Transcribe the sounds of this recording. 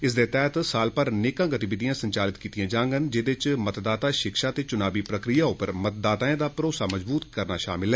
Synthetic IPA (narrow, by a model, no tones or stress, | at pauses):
ɪsd̪eːt̪ɛːt̪saːlpəɾneːkãːɡət̪ibɪd̪ijãːsəɲt͡ʃaːlɪt̪kiːt̪ijãːd͡ʒãːŋɡənd͡ʒɪd̪ɪt͡ʃmət̪d̪aːt̪aːʃɪkʃaːt̪eːt͡ʃʊnaːbiːpɾəkɾijaːʊpəɾmət̪̚d̪aːt̪aːẽːd̪aːpɾoːsaːməd͡ʒbuːt̪kəɾnaːʃa̰ːmɪlɦɛː